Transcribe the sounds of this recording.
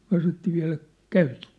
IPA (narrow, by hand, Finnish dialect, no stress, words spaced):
myæ̝ sɑnotːiː ʋiæ̝læk kæytitːen